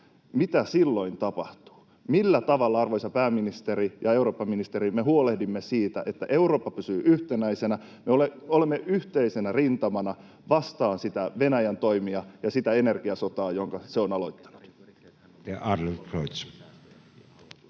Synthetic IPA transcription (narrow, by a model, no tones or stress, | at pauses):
mit̪æsilːo̞int̪ɑpɑht̪u̥ː | milːæt̪ɑʋɑlːɑɑrʋojsɑpæːmːinist̪eɾijɑe̞uroːpːɑminist̪eɾimeɦuolehdimːesiːt̪æ̰ʔet̪ːæʔe̞uro̞ːpːɑpysyːʔyht̪enæisenæ | meoleolemːeʔyht̪eisenærint̪ɑmɑnɑ | ʋɑst̪ɑːnsit̪æʋe̞næjænt̪o̞imiɑjɑsit̪æene̞rɡ̥iɑsot̪ɑːjoŋkɑseonɑloit̪ːɑ̥nu̥t̪ | jɑʔɑrlilkroit̪s